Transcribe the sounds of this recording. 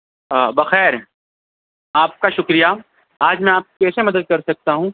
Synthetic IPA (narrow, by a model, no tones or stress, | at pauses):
bɐxɛːɾ | aːp̚kaʃʊkɾija | aːd͡ʒmɛ̃aːp̚kɛːsemɐd̪əd̪̚kɐɾsɐk̚t̪aɦũː